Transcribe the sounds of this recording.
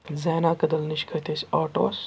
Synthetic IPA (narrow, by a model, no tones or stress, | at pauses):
zɛːnaːkɐd̪ɐlniʃkʰɐt̪esʲaːʈo̰ːs